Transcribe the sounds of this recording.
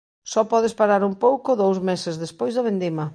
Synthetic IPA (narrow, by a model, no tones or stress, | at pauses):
sɔpɔðɪspaɾaɾumpowkoðowzmesezðespojzðɐβend̪imɐ